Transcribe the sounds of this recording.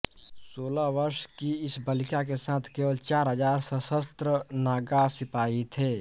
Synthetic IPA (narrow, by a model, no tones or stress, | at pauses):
soːlaʋəɾʃkiɪsbəlɪkakesãːt̪ʰkeːwəlt͡ʃaːɾɦəd͡ʒaːɾsəsəst̪ɾənaːɡasɪpaːit̪ʰeː